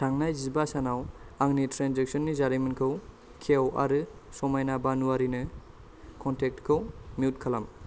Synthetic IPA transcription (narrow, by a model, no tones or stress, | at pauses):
tʰaŋnajzibasanawaŋnitʰɾanzek̚sɔnːizaɾimɯnkʰɯw | kʰewa̰ɾɯsɔmajnabanuaɾinɯ | kʰɔntʰek̚tkʰɯwmiut̚kʰalam